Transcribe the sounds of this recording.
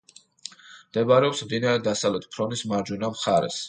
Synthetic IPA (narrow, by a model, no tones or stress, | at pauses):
md̪ɛbaɾɛɔpsvinaɾɛd̪asavlɛt̪ʰpʰɾɔnismaɾd͡ʒunamχaɾɛ̰s